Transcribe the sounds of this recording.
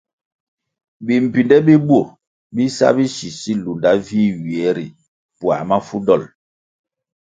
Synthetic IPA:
bi˨m̩˨pi˨ndɛ˦bi˦bwo˦˨ | bi˦sa̰˦bi˦ʃi˨si˦lu˨nda˦vi˦ɥi˨ɛ˨˦ɾḭ˨ | pwa̰˨ma˦fu˦dɔ˦˨l

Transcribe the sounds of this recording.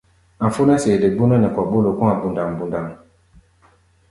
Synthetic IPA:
a˨fu˦na˦se˨le˨ɡ͡bu˦nɔ˦nɛ˨kwɔ˨ɓo˦lo˨ku˦ŋa˨bu˨nda˨ŋ˨bu˨nda˨ŋ

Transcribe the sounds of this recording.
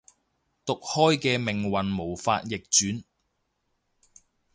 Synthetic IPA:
t̪ʊ˨k̚hɔː˥jkɛː˧mɪ˨ŋwɐ˨nmo˨˩wfa̰ː˧t̚jɪ˨k̚t͡ʃyː˨˥n

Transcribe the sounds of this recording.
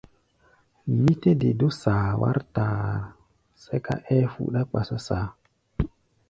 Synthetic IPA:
mi˦te˦de˨do˦saː˨wa̰˦ɾtaː˨ɾ | se˦ka̰˦ʔɛ˦fṵ˨ɗa˦k͡pa˨sa˦saː˨

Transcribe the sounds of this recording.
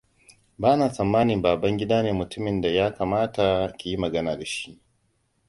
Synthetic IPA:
baː˦naː˨sɐ˨mːaː˦nɪ˨mbaː˨bɐ˦ŋɡʲɪ˦daː˦neː˨mʊ˨tʊ˦mɪ˨nda˨jaː˦kaː˨maː˦ta˨kʲi˨ji˦mɐ˨ɡɐ˦naː˨da˨ʃi̥˦ʔ

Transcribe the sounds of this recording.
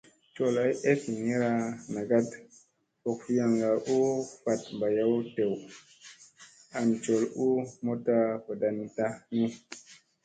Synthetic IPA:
t͡ʃo˨la˨˦je˦fi˨ni˦ɾa˧na˨ɡa˦t | o˨kfi˦ja˨ŋɡa˨ʔu˦fa˨t̚mba˨ja˦wte˨w | a˨nt͡ʃo˨lu˦mo˦ta˦po˨da˨nta˦nu˦

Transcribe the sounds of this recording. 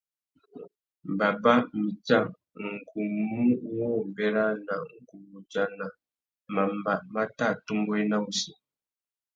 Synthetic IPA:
ba˨ba˦mi˨t͡ʃa˦˨ | ŋ̩˨ku˨mu˦wɔ˦m˨bɛ˦ɾa˦na˨ŋ̩˨ku˨mu˨t͡ʃa˦na˨ | ma˨mba˨ma˦ta˦˨tu˦mbɔ˦ɛ˦na˦u˦si˨

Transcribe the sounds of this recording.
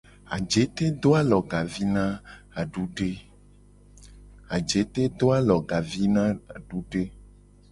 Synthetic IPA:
a̰˨d͡ʒe˨˦t̪e˦d̪o˦a˦lɔ˨ɡa˨vi˦nã˦a˨ɖu˦ɖe˦ | a˨d͡ʒe˨˦t̪e˦d̪o˦a˦lɔ˨ɡa˨vi˦nã˦a˨ɖu˦ɖe˦

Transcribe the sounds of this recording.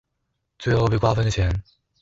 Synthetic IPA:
t͡se˥˩o˥˩pi˥˩kwa˥fə˥˦n˧t͡ɕʰjɛ˧˦n

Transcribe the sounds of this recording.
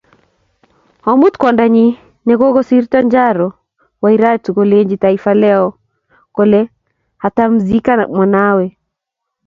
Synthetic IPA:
ɔ˨mu˦t̪kwɔ˨nda˨ɲi˦ | nɛ˨ɡo˦ɡɔ˦si˦ɾtɔ˦ɲd͡ʒa˦ɾɔ | wa˨i˦ɾa˦tɡole˦ɲd͡ʒitaifalɛ˦ɔ | kole˦ | ha˨ta˦mzi˦ka˦˨mɔ˨nawe˨

